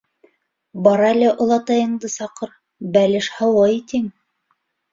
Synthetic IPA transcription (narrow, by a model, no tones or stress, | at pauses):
bɑɾɑlʲɘʔŏlˠɑt̪ɑjɤ̆ɴd̪ɤsɑqɤɾ | bælɘʃhɑwɤit̪iŋ